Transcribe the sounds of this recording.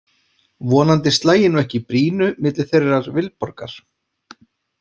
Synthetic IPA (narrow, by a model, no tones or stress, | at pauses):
vɔːnant̪ɪst̪laːjɪnuɛhcɪpɾiːnʏmɪːt̪lɪ̥θejraɾvɪlpɔɾkaɾ̥